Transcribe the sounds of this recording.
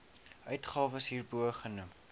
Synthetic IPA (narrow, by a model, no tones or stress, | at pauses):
œɥtχɑːvəsɦiːrbuəχənum